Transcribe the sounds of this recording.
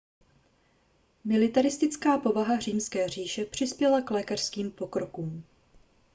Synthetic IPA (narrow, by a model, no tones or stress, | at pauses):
mɪlɪt̪aɾɪst̪ɪt͡skaːpo̞vaɦariːmskɛːr̝iːʃɛpr̝̥ɪspjɛlaklɛːkar̥skiːmpo̞kɾo̞kuːm